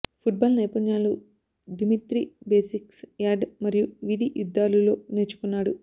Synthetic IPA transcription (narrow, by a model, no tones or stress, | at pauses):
pʰuʈ̚baːlnɐjpɐnjaːlu | ɖimiʈɾibeːsiksjaːɖmɐɾijuʋid̪ʱiʔjud̪ːaːlulo̞ːneːɾt͡ʃu̥kunːaːɽu